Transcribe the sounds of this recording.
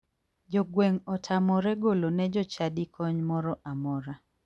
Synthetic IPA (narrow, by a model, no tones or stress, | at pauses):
d͡ʒɔɡweŋɔtʰamɔɾɛɡolonɛd͡ʒɔt͡ʃadikʰɔɲmɔɾɔʔamɔɾa